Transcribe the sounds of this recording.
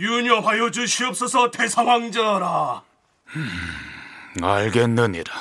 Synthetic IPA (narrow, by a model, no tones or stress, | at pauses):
juɲʌɸwajod͡ʑuɕʰiʌp̚s͈ʌsʰʌtesʰaŋwaŋd͡ʑʌɾa | aɭɡenːɯɲiɾḁ